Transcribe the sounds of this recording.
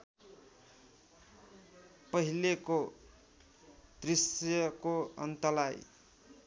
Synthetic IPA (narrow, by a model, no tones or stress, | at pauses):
pʌɦileko | d̪̥risjʌkoʌ̰nt̪ʌlaj